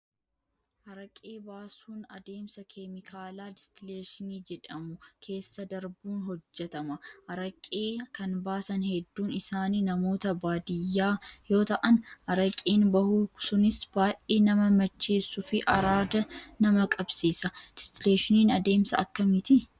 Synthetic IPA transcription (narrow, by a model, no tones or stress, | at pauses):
hɐɾɐkʼeːbaːsuːnɐd̪e̞ːmsɐkʰemɪkʰaːlaːdɪst̪ɪleːʃɪniːd͡ʒɛᶑɐmʊkʰe̞ːsːɐd̪ɐɾbuːnɦɔd͡ʒːɛt̪ɐmɐhɐɾɐkʼeːkɐnbaːsɐnhɛd̪ːuːnɪsaːniːnɐmo̞ːt̪ɐbaːd̪ɪjːaːjo̞ːt̪ɐʔɐnhɐɾɐkʼiːnbɐhusʊnɪsb̥aːʔeːnɐmɐmɐt͡ʃːe̞ːsːʊfɪʔɐɾaːd̪ɐnɐmɐkʼɐbsiːsɐd̥ɪst̪ɪleːʃɪniːnɐd̪e̞ːmsɐɐkːɐmɪt̪ɪ